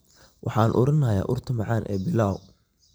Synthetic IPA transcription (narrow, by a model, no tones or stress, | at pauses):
wʔɑ̰ħɑːnʔʊɾɐnɐja̰ːʔʊrt̪ʰʊmɑʕɑːnʔɛ̰ːbɪlaːw